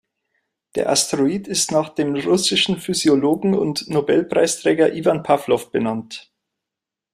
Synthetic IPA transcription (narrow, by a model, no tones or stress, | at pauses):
d̥ḛːɐʔa̰stʁoiːtɪstnaːχd̥eːmʁʊsɪʃn̩fyzjoloːɡŋ̩ʊ̰ntnobɛlpʁ̥a̰ɪstʁ̥ɛːɡɐʔiːvanpʰaflɔfb̥ənant